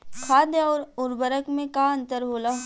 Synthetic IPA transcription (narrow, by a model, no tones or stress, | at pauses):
kʰaːd̪eɔːɾʊɾbəɾəkmẽkaə̃nt̪əɾɦoːla